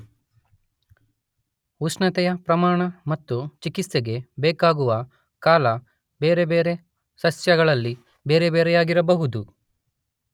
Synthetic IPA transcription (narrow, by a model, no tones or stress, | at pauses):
usnɐt̪ɛjɐpɾɐmaːɳɐmɐt̪ːut͡ʃikit̪seɡe̞bɛːkaːɡuʋɐ | kaːlɐ | be̞ːɾe̞be̞ːɾe̞ | sɐsjɐɡɐɭɐlːi | be̞ːɾe̞beːɾɛjaːɡiɾɐbɐɦud̪u